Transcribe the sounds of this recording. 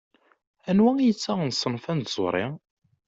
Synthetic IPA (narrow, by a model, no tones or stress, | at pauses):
ænwæijət͡sːæʁnsˤːənfænt̪z̥ˤo̰ɾˤḭ